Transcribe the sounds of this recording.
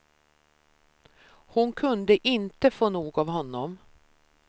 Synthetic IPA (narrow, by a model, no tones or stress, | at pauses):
hʊnkʰɵnd̪əʔɪnt̪əfoːnuːɡavɦɔnːɔm